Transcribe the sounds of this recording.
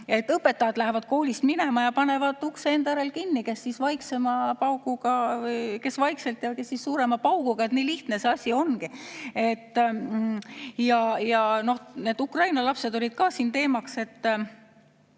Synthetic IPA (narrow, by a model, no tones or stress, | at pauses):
e̞t̪ːɤpːe̞t̪ːɑjɑd̪læɦevɑd̪̥ko̞ːlʲist̪mine̞mɑjɑpɑne̞vɑd̪̥ˑukseend̪æɾelkinːike̞sːisvɑjkse̞mɑpɑwɡuɡ̥ɑjke̞svɑjkse̞lt̪jɑke̞sːissuːɾe̞mɑpɑwkuɡ̥ɑe̞t̪niːliht̪nese̞ɑsʲio̞nkie̞t̪ː | jɑjɑno̞hne̞ːd̪̥ukrɑjnɑlɑpse̞d̪̥o̞lʲid̪̥̚kɑsiːnt̪e̞ːmɑkse̞t̪ː